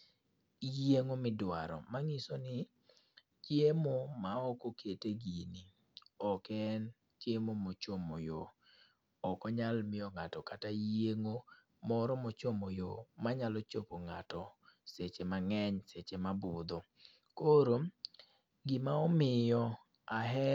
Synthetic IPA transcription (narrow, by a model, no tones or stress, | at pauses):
jeŋomɪdwaɾɔ̰maŋisonɪ | t͡ʃjemomaɔkokʰeteɡini | ɔkɛn | t͡ʃjemomot͡ʃomo̰jo̰ | ɔkɔɲalmɪɔŋatɔkatajeŋo | mɔɾɔmɔt͡ʃomojomaɲalɔt͡ʃopoŋa̰tɔset͡ʃemaŋɛɲset͡ʃemabʊd̪ɔ | koɾo | ɡɪmaɔmɪjɔ | aɦɛ